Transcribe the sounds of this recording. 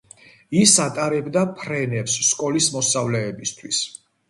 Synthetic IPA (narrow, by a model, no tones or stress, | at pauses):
isat̪ʼaɾɛbd̪apʰɾɛnɛpsːkʼɔlismɔsavlɛːbist̪ʰwis